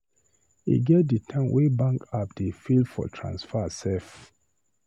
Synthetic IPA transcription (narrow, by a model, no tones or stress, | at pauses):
ḭɡɛt̚dətʰãmwʔebãŋkap̚defilfɔ̰tʰɹã̰nsfasɛf